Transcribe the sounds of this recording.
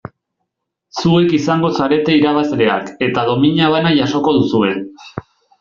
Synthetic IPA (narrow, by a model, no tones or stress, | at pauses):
sue̞kisaŋɡo̞saɾe̞t̪e̞iɾaβ̞asɾe̞a̰ke̞t̪að̞o̞miɲaβ̞anaʝaso̞ko̞ðusue̞